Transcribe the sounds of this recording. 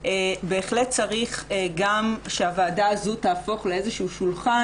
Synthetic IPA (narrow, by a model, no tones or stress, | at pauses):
ebe̞ːχlet̪̚t͡saʁiχɡamʃeavaːdaazutaːfo̞χleezeʃuuʃulχa